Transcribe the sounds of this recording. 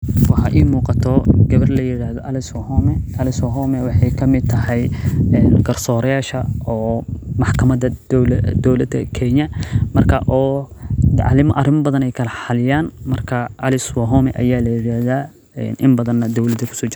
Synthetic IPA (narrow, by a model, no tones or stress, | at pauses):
wɑħɑʔiːmuːqɑt̪ʰɔɡ̥ɐβɐrlɐjɪɽaːhðɔʔɐlɪswɐhɔmɛʔɐlɪswɐɦɔmɛwɑħɑjkʰɐmɪd̪̚t̪ʰɐɦɛjɛːnɡɐrsɔːɾɐjaːʃɐɔːmɑħkʰɐmɐd̪ɐdld̪ɔwlɐd̪ɐ̰kʰɛɲɐmɐrkʰɐʔɔː | ʕlɪmʔɐrɪmɐbɐðɐnɛjkʰɐlɐħɑlɪjaːnmɐrkʰɐʔɐlɪswɐɦɔmɛʔɐjaːlɐjɪɾaːhðaː | ɛ̰nʔɪmbɐðɐnːɐd̪ɔwlɐd̪ɐkʰʊ̥sɔːt͡ʃɪɾ